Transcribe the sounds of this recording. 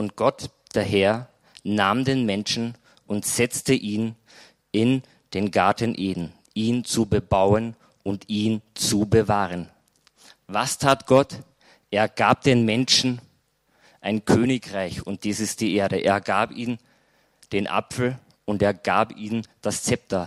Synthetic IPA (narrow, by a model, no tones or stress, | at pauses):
ʔʊnt̚ɡ̥ɔt | d̥eːɐɦɛɐ | naːmdeːnmɛnʃn̩ | ʔʊntz̥ɛt͡stəʔiːn | ʔɪn | d̥eːnɡaɐtən̩ʔeːdn̩ | ʔiːnt͡subəbaʊən | ʔʊntiːnt͡subəvaːʁən | vastʰaːtɡ̥ɔt | ʔeːɐɡaːp̚d̥eːnmɛnʃn̩ | ʔaɪnkʰøːnɪkʁ̥aɪçʊnt̚d̥iːsɪst̚d̥iːʔeːɐɾəʔḛːɐɡaːpiːn | d̥eːnʔa̰pfl̩ | ʔʊnteːɐɡaːpiːnnd̥ast͡sɛp̚tʰɐ